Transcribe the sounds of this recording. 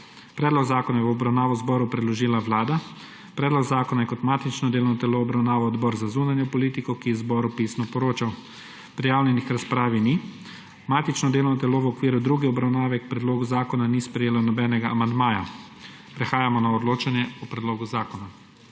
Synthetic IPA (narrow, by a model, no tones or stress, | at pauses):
pɾɛd̪lɔɡzaːkɔnajɛɔbɾawnaːʋɔwzbɔːɾupɾɛd̪lɔʒiːlaʋlaːd̪a | pɾɛːd̪lɔɡzaːkɔnajɛkɔt̪maːt̪it͡ʃnɔd̪eːlɔnɔt̪ɛloɔbɾawnaːʋɔɔd̪bɔːɾzazuːnanjɔpɔliːt̪ikɔkijɛzbɔɾupiːsnɔpɔɾoːt͡ʃaw | pɾijaːwnʲjɛnixɾaspɾaːʋini | maːt̪it͡ʃnɔd̪eːlɔwnɔt̪ɛloːʋɔkʋiːɾud̪ɾuɡiɔbɾawnaːʋɛk̚pɾɛd̪loːɡuzaːkɔnanispɾɛjeːlawnɔbɛːnɛɡaamand̪maːja | pɾɛxaːjamɔnaɔd̪loːt͡ʃanjɛɔpɾɛd̪loːɡuzaːkɔna